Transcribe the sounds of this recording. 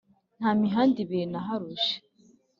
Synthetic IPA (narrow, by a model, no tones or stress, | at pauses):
n̥haːmiɦaːndiβenaɦaɾuʒe̥